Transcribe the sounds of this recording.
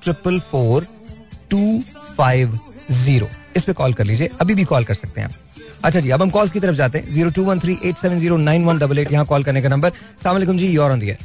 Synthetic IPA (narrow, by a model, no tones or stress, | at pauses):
ʈɾɪpəlfoːɾ | ʈuːfaːɪʋziːɾo̰ːɪspekɔːlkɐɾliːd͡ʒieʔɐbʱibʱikɔːlkɐɾsɐk̚t̪eɦɛ̰̃ | ɐtːʃʰad͡ʒiːɐbʱɐmkɔːlzkit̪ɐɾəfd͡ʒaːt̪ẽɦɛ̰̃ziːɾoʈuːʋɐnt̪ʰɾiːʔeːʈsɛːʋənziːɾonãːɪnʋɐnɖɐbəleːʈjɐɦãkɔːlkɐɾnekanɐ̃mbəɾ | slaːmleːkʊmd͡ʒiːɔːɾ̃ːnd̪iɦɛ̰ː